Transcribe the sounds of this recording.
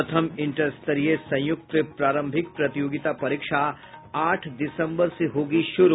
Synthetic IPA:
ɐt̪ʰəmɪ̃ɳʈəsʈt̪ɐɾijesɐ̃j̃jʊk̚t̪əpɾaːɾə̃mbʱɪk̚pɾɐt̪ɪjoːɡɪt̪apɐɾikʃa | aːʈʰdɪsə̃mbəɾseɦoːɡiʃʊɾ

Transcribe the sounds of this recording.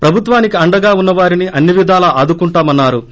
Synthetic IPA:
pɾɐbʱut̪ʋaːnikiɐɳɖɐɡaːunːɐʋaːɾiniʔɐnːiʋid̪ʱaːlɐʔaːd̪ukuɳʈaːmɐnːaːɾu

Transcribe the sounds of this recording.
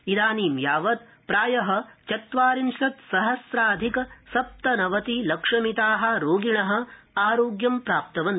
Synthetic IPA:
id̪aːniːmjaːʋɐt̪̚ | pɾaːjɐɦɐ̆t͡ʃɐt̪ʋaːɾinʃɾɐt̪sɐɦɐsɾaːd̪ʱikɐsɐp̚t̪ɐnɐʋɐt̪ilɐkʂɐmit̪aːɦɐ̆ɾoːɡiɳɐɦɐ̆ | aːɾoːɡjɐmpɾaːp̚t̪ɐʋɐn

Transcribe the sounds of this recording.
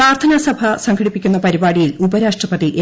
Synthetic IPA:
aːrt̪ʰɐnɐsɐbʱɐsɐŋɡʰʱɐɽipːikʲːunːɐpɐɾibaːɽijilubɐɾaːʂʈrɐpɐðiʔe

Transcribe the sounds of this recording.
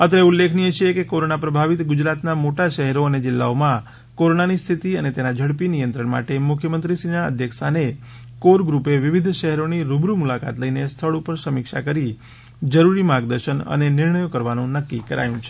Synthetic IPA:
ət̪eulːekʰnijet͡ʃʰiekekoɾonapɾəbʱaʋit̪ɡʊd͡ʒɾat̪namoʈaʃəɦɛɾoəned͡ʒɪlːa̰omã | koɾonanist̪ʰit̪iənet̪enad͡ʒʱəɽpinijənt̪ɾəɳma̰ʈemʊkʰjəmənt̪ɾisinaə̰d̪ʱjəksane | koɾɡɾupeʋiʋid̪ʱʃəɦɛɾoniɾubɾumulaka̰t̪ləinest̪ʰəɭupəɾsəmɪkʃa̰kəɾi | d͡ʒəɾuɾimãɡd̪əɾʃənə̰nenɪɾɳəjokəɾʋanũnəkːikəɾa̰jũt͡ʃʰe̥

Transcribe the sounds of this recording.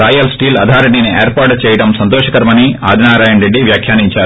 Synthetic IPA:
ɾaːjɐlsʈiːlɐ̰d̪ʱaːɾeɖːinieːɾpaːɾʈt͡ʃɛːjɐɽɐmsɐnt̪oːʃɐkɐɾmɐnia̰ːd̪ʱinaːɾaːjɐnɾeɖːiʋjaːkʰjaːniɲt͡ʃaːɾu

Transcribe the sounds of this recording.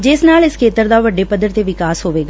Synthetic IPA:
d͡ʒeːsnaːlɪskʰeːt̪əɾd̪aʋɐɖːepəd̪əɾt̪eʋɪkaːsɦoːʋeːɡa

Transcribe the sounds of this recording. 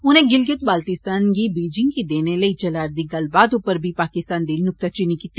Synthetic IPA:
ʊnɦẽɡɪlɡɪt̪̚baːlt̪ɪst̪aːnkibiːd͡ʒɪ̃ŋɡkid̪eːnelɐit͡ʃɐlaːɾd̪iɡɐlbaːd̪upəɾbʱipaːkɪst̪aːnd̪iːnnʊk̚t̪at͡ʃinikiːt̪ːi

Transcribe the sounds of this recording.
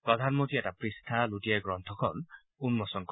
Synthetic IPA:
pɹɔd̪ʱanmontiɛtapɹist̪ʰalutiaɡɹɔnt̪ʰɔkʰɔn | unmɔsɔnk

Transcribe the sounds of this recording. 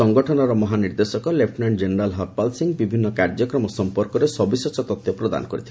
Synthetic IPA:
ɔŋɡɔʈʰɔnɔɾɔmɔɦaniɾd̪esɔkɔlep̚ʰʈnaɳd͡ʒeneɾalɦɔt̚palsiŋbibʱinːɔkaɾd͡ʒɔkɾɔmɔsɔmpɔɾkɔɾesɔbisɔt͡ʃʰɔt̪ɔt̪jɔpɾɔd̪a̰nɔkɔɾit̪ʰilɛ

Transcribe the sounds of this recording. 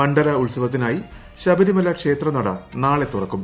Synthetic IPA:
ɐɳɖɐlɐuɭsɐʋɐt̪̬ːinaːji | ɕɐbɐɾimɐlːɐkʂe̞ːt̪rɐnɐɽɐ̰naːɭe̞t̪ːurɐkːum

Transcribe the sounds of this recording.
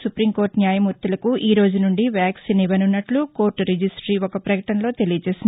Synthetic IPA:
supɾimkoːɾʈnjaːjɐmuɾt̪ulɐkuʔiːɾo̞ːd͡ʒunuɳɖiʋjaːksinibɐnunːɐʈluko̞ːɾʈɾed͡ʒisʈɾiːɔkɐpɾɐkɐʈɐnlo̞ːt̪e̞lijɐt͡ʃe̞ːsind̪

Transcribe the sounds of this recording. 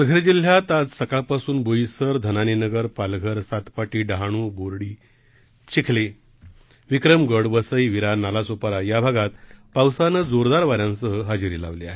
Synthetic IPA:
plɡʱəɾd͡ʑil̤jat̪ad͡zsəkaɭpasuːnbojisəɾd̪ʱənaninəɡəɾpalɡʱəɾsat̪paʈiːɖaɦaɽ̃uːboɾɽiː | t͡ɕikʰle | ʋikɾəmɡəɽbəsəjʋiɾanalasopaɾajabʱaɡat̪pawsanəd͡zoɾd̪aɾʋaɾjãnsəɦəɦad͡ʑiɾḭla̰ʋliaɦe

